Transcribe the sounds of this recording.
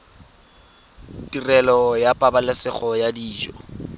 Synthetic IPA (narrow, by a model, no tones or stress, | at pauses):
tʼirɛlɔjapʼabalɪsɪχɔjadiːd͡ʒɔ̰